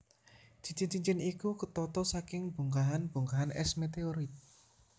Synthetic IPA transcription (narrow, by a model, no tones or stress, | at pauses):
d̥i̤t͡ʃint͡ʃiɲt͡ʃɪnikukət̪ɔt̪ɔsakɪŋb̥ṳŋkaɦanb̥ṳŋkaɦanʔɛ̰smet̪eoɾit̪̚